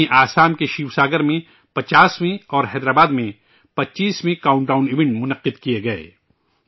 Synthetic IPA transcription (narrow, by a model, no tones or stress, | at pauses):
ẽʔaːsaːmkeʃiːwsaːɡəɾmẽ | pɐt͡ʃaːsmẽɔːɾɦɛːd̪ɾaːbaːd̪mẽ | pɐtːt͡ʃːʃiːsmẽkaːʊ̃ɳʈaːʊ̃nɪʋɪ̃ɳʈmʊnəqːɪd̪kijeɡɐḛː